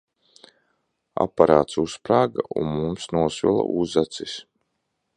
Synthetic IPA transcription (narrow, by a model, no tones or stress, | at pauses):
a̰paɾaːt̪suspɾaːɡaʔṵnmumsnuɔsvilˠa̰ʔuzat̪sis